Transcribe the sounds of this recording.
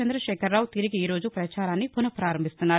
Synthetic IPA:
ɐnd̪ɾɐʃɛːkʰɐɾːaːwt̪iɾiɡiːɾo̞ːd͡ʒupɾɐt͡ʃaːɾaːnːipunɐpɾaːɾɐmbʱist̪unːaː

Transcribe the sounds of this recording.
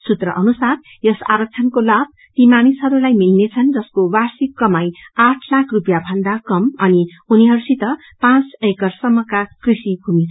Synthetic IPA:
sut̪rʌʔʌnusar | jʌsa̰ɾʌk̚t͡sʰʌnkolab̚ | t̪imanisɦʌɾulajmilnet͡sʰʌnd͡zʌskowarsikːʌmajaʈʰlakʰrupjabʱʌnd̪akʌmʌni | uniɦʌɾusit̪ʌ | pãt͡sekʌrsʌmːʌkakrisikumit͡sʰ

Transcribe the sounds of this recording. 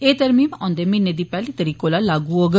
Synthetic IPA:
eːt̪ɐɾmiːmɔ̃nd̪eminːed̪ipɛːlit̪ɐɾiːkoːlalaːɡuoɡə

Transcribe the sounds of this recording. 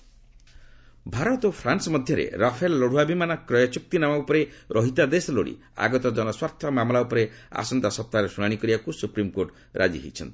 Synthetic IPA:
bʱaɾɔt̪opʰɾansɔmɔd̪ʱjɔɾḛɾapʰelːɔɽ̤uabimanɔkɾɔjɔt͡ʃuk̚t̪inamaupɔɾeɾʔɔɦit̪ad̪esɔlo̰ɽḭ | a̰ɡɔt̪ɔd͡ʒɔnɔswaɾt̪ʰjɔmamlaupɔɾea̰sɔnd̪asɔp̚t̪aɾesuɽ̃aɽ̃ikɔɾibakusupɾimkoɾʈ | ɾʔa̰d͡ʒḭɦḛjt͡ʃʰɔnt̪i̥

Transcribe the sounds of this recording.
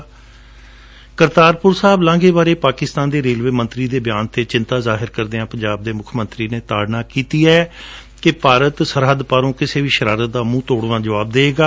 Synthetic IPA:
kəɾt̪aːɾpʊɾsaːblãːŋɡeːbaːɾeːpaːkɪst̪aːnd̪eːɾeːlʋeːmə̃nt̪ɾiːd̪eːbɪjaːnt̪eːt͡ʃɪ̃nt̪aːzaːɦɪɾkəɾd̪eːãːpəɲd͡ʒaːb̚d̪eːmʊkʰmə̃nt̪ɾiːneːt̪aːɽnãːkiːt̪iːɛː | kɪpaːɾət̪səɾɦəd̪paːɾõːkɪseːʋiːʃəɾaːɾət̪̚d̪aːmũːt̪oːɽʋãːd͡ʒəʋaːb̚d̪eːɡaː

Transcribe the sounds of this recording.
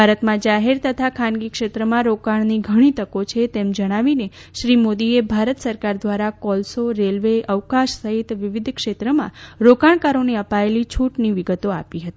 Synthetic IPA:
bʱaɾət̪mãd͡ʒaɦeɾt̪ət̪ʰakʰanɡikʃet̪ɾəmãɾokaɳ̃niɡʱəɽ̃it̪əkot͡ʃʰet̪emd͡ʒəɽ̃aʋineʃɾimod̪iebʱaɾət̪səɾkaɾd̪ʋaɾakɔlsoɾelʋeʔəʋkaʃsəɦit̪ʋɪʋɪd̪ʱkʃet̪ɾəmã̰ɾokaɳ̃kaɾoneəpaelit͡ʃʰuʈniʋiɡət̪oa̰piɦət̪i

